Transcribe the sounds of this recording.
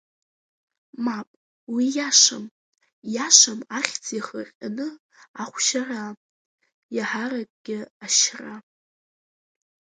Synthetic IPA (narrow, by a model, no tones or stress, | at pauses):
mapʼ | wijaʂam | jaʂamaχʲt͡sʰiχəqʲʼanɨ | aχʷʃara | jaħarakʼɡ̥ʲɪaʃra